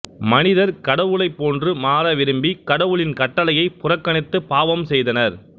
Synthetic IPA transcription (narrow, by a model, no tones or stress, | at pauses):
mɐnɪðɐɾkɐɽɐʋɯɭɐɪpːoːndrɯmaːɾɐʋɪɾɯmbikɐɽɐʋɯɭɪnkɐʈːɐlɐjɐɪpʊrɐkːɐnɪt̪ːɯpaːʋɐmsɛjðɐnɐɾ